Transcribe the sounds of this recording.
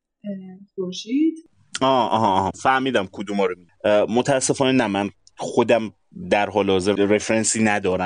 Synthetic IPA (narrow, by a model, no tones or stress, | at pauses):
boʃid̪ | ɒːʔɒ̰ːɦɒːɦɒfæhmiːd̪æmkʰod̪uːmɒːɾomi | mot̪ʰææsːe̞fɒːnenæmæn | xod̪æm | d̪æɾɦɒːlehɒːzeːefɾensiːnæd̪ɒːɾæm